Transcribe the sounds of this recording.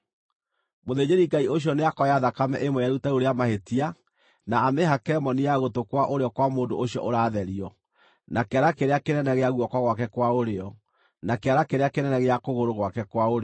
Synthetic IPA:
moðed͡ʑeɾiŋɡaioɕ̬iɔneakɔjaðakamɛ̰ʔemwɛjaɾutaoɾeamahetia | naːmeɦakɛmɔnijaɣotokwaʔoɾeɔkwamoːndooɕijɔ̰ʔoɾaːðɛɾiɔ | nakeaɾakeɾeakenɛnɛɣeaɣwɔkɔɣwak̬ɛkwaoɾeɔ | nakeaɾakeɾeakenɛnɛɣeakoɣoɾoɣwakɛkwaoɾe

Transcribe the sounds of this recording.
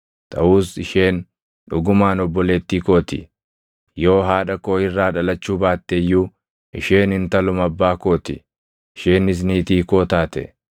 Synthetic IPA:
t̪ʰʼɐʔuːsɪʃe̞ːn | ᶑʊɡʊmaːnɔbːɔleːt̪ːiːko̞ːt̪ɪ | jo̞ːɦaːᶑɐko̞ːɪrːaːᶑɐlɐt͡ʃːuːbaːt̪ːejːuː | ʔɪ̰ʃe̞ːnɪnt̪ɐlʊmɐbːaːko̞ːt̪ɪ̰ | ʃeːnɪs̬niːt̪iːko̞ːt̪aːt̪ɛ̰

